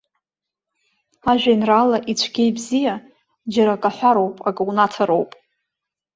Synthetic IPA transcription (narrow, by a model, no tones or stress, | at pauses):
aʒᶣʷajinralaʔit͡ɕʷʰɡʲejbzija | d͡ʒaɾakʼaħʷaɾo̞wpʼakʼwnatʰaɾowpʼ